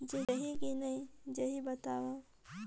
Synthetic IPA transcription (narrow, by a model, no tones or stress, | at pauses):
d͡ʒeɐɦikinɐĩd͡ʒɐɦibɐt̪aːʋa